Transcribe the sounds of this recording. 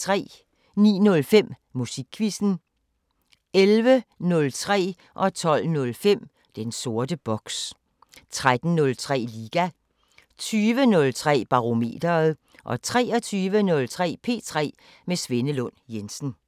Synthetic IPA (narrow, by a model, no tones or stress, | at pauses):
t͡sʰʁɛ̰ː | nḭːnɔ̽lfem̰ | musiɡ̥̚kʰʋisn̩ | elʋənɔ̽lt͡sʰʁɛ̰ː | ʔɒ̽t͡sʰɒ̽l̰nɔ̽lfem̰ | d̥enso̝ɐd̥əb̥ɒ̽ɡ̥s | t͡sʰʁad̥n̩nɔ̽lt͡sʰʁɛ̰ːliːɡ̥æ | t͡sʰyːʋənɔ̽lt͡sʰʁɛ̰ːb̥ɑ̈ʁo̝me̝̰ːd̥ɐːð̩ˠ | ʔɒ̽t͡sʰʁɛ̰ːɒ̽t͡sʰyːʋənɔ̽lt͡sʰʁɛ̰ːpʰe̝̰ːt͡sʰʁɛ̰ː | mesʋe̝nəlɔ̽n̰jensn̩